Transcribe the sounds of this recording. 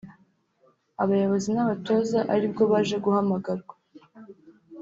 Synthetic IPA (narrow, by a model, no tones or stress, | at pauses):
aβajoβo̞zinaβato̞zaʔaɾibɡo̞βaːʒe̞ɡuhamaɡaɾɡa